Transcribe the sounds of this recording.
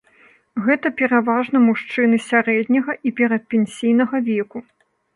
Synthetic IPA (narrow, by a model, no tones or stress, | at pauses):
ɣɛt̪ɐpʲɛɾavaʐn̪ɐmuʂt͡ʂɨnɨsʲaɾɛd̪ʲnʲɐɣɐʔipʲɛɾɐt̪̚pʲɛnʲsʲijnɐɣɐvʲɛku